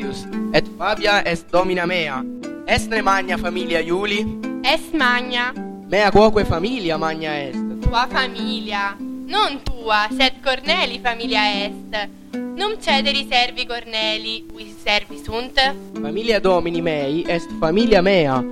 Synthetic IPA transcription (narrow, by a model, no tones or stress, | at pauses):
usɛt̪faːbjaʔɛst̪̚d̪ɔːminamɛːaɛst̪nemaɲːafamiːljajuːliɛst̪maɲːa | mɛːakwɔːkwɛfamiːljamaɲːaɛst̪t̪uːafamiːljanont̪uːasɛt̪koɾnɛːlifamiːljaɛst̪ | nomt͡ʃɛːd̪eɾisɛrvikoɾnɛːliuissɛrvisunt̪famiːljad̪ɔːminimɛːjʔɛst̪famiːljamɛːa